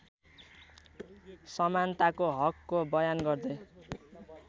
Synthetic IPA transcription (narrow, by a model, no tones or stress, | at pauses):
sʌmant̪akoɦʌkːobʌjanɡʌrd̪ʌj